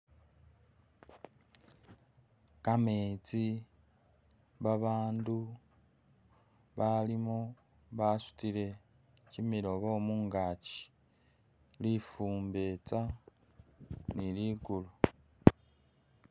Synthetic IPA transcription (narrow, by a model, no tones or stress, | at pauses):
kameːt͡si | βaβaːndu | βalimo | βasu̥tile̞ | cimiɾo̞βo̞ːmuːŋɡaci̥ | lifuːmbe̞t͡sa | niliːɡulu